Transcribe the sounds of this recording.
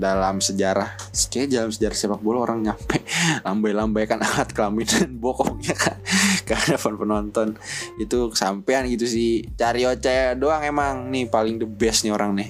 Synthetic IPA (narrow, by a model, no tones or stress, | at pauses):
dalamsəd͡ʒaɾahsə̥kadalamsəd͡ʒaɾahsiabak̚bolaoɾaŋɲampɛʔlambajlambajkanahat̪̚kəlaminanbɔkɔŋɲakʰankaadapanpənɔnt̪ɔnit̪ukə̥sampeanɡit̪usɪht͡ʃaɾiot͡ʃadoaŋemaŋnɪhpalɪŋdəbɛsnioɾaŋnɪh